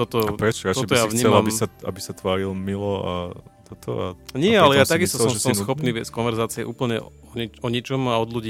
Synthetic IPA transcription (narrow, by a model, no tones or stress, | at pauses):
t̪ɔt̪ɔpɾɛt͡ʃɔɾat͡ʃ̪tɔɛb̪iɔjaʋɲiːɛlmlambisaa̰bisat̪ʋaːɾilmilɔa̰t̪ɔt̪ɔ̰a̰ɲɪɛalɛjaːt̪aɡist̪ɔsɔmʒɛsɔmsxɔppniːʋɛskɔnʋɛɾzaːt͡siɛ̰ʔṵːpl̩ɲɛ̰ | ɔɲɛɔɲɛt͡ʃɔmaɔd̪luɟi